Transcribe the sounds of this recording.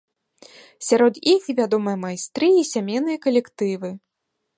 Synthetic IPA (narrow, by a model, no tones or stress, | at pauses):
sʲaɾɔd̪ixvʲad̪ɔmɨjɐmajst̪ɾɨisʲamʲejnɨjɐkɐlʲɛkt̪ɨvɨ